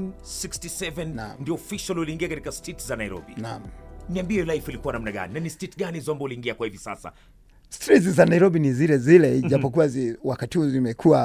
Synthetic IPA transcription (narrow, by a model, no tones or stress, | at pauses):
nsikstisɛvɛnna̰mndiɔɔfiʃaluliːŋɡiakatikastʰetzanaiɾɔ̰binamniambiɛjɔlajfilikuwanamnaɠa̰ninanistɛtɠanizambɔuliːŋɡiakwahivisa̰sa̰ | stɾit̬zanaiɾɔbinizilɛzilɛiʄapɔk̬uwaziwakatihuzimɛkʰuwa